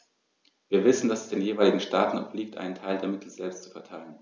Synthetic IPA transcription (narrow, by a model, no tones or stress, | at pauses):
viːɐvɪsn̩dasɛ̥sd̥eːnjeːvaɪlɪɡŋ̩ʃtaːtn̩a̰ʊfliːk̚tʔa̰ɪnəntʰaɪldeːɐmɪtʰl̩zɛlpstt͡su̥fɛɐtʰaɪlən